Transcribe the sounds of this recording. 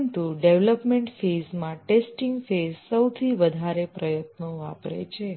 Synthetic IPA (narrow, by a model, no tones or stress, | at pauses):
ɳʈuɖeʋləpmeɳʈfezmãʈesʈiŋɡfezsəwt̪ʰiʋəd̪ʱaɾepɾəjət̪noapɾḛt͡ʃʰe